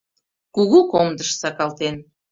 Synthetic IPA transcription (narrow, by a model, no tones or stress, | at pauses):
kuɣukomd̪əʃsɑkɑlt̪en